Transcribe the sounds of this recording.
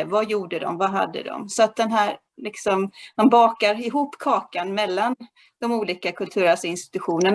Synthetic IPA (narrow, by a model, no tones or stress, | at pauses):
vajuːɖəd̪ɔ̰mvaɦa̰d̪ːə̰d̪ɔ̰msɔat̪̚d̪ɛnɦæːɾ | lɪksɔmmanbɑːkaɾɪɦuːpːkʰɑːkanmɛlːan | d̪̥ɔmuːliːkakʰɵlt̪ʰʉ̟ːɾasɪnst̪ɪ̥t̪ɵɧuːnəɳ